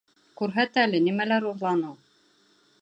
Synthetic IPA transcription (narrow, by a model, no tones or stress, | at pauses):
kʉɾɦæt̪ælɘnimælæɾuɾlˠɑnɤw